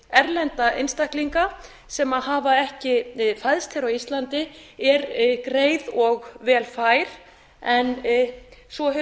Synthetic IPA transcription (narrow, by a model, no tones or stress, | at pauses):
ɛɾlɛnt̪aʔḛjnst̪ahkliŋka | sɛmaðɦaːvaɛhcɪfajðst̪ʰɛɾawist̪lant̪ɪɛɾkɾeːjðɔɣvɛːlfaːjɾ̥ | ɛn | svɔɦʏ